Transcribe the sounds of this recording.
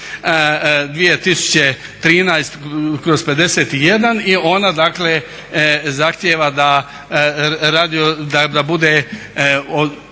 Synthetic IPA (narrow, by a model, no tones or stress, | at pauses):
d̪ʋije̞t̪isu̥t͡ɕe̞t̪ɾiːnajst̪kɾozpe̞d̪e̞seːt̪ije̞d̪anio̞nad̪akle | zaxt̪jeːʋad̪a | ɾaːd̪iod̪ad̪abud̪e | o